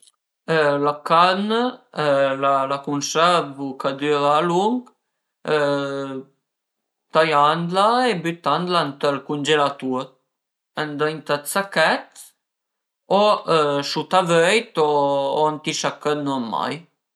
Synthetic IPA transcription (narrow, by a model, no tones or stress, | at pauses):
əlakanə | lalakunsɛvukad̪yɾaːluŋɡ | ə | t̪ajand̪laebyt̪and̪lant̪əlkund͡ʒelat̪uɾ | ənd̪əjnt̪at̪sakɛt̪ | oəʃut̪avɛjt̪oant̪iʃakːənɔma̰j